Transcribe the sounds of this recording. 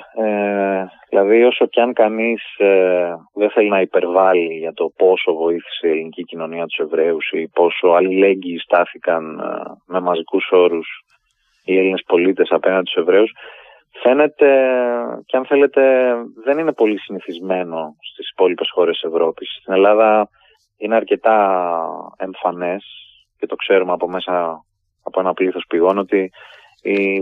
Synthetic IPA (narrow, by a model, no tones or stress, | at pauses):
eðilɐðio̞so̞cɐŋkɐnis | ðenθe̞linɐipe̞ɾvɐliʝɐt̪o̞po̞so̞vo̞iθi̥seie̞linicicino̞niɐt̪u̥se̞vɾe̞usipo̞so̞ɐlile̞ɲɟiːst̪ɐθikɐnme̞mɐzikuso̞ɾus | ieline̞spo̞lit̪e̞sɐpe̞nɐnd̪et̪u̥sevɾe̞us | fe̞ne̞t̪e̞ceɐnθe̞le̞t̪e̞ðe̞nine̞po̞lisiniθizme̞no̞st̪isi̥po̞lipe̞sxo̞ɾesise̞vɾo̞pisst̪ine̞lɐðɐ | ineɐɾce̞t̪ɐ | e̞ɱfɐne̞s | cet̪o̞kse̞ɾumeɐpo̞me̞sɐː | po̞e̞nɐpliθo̞spiɣo̞no̞t̪i